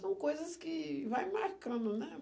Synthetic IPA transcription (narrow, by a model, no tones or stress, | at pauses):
sɐ̃w̃kojzɐskɪvajmaɾkɐ̃nd̪ʊnɛ